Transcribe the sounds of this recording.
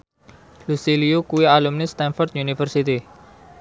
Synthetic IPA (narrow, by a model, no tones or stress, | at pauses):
lusiliukuialumnɪst̪ɛnfɔrt̪junifərsit̪i